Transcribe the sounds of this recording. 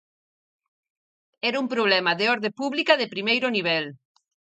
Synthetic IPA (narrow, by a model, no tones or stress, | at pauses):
ɛɾumpɾoβ̞lɛmɐðeɔɾðepuβlikɐðepɾimejɾʊniβ̞ɛl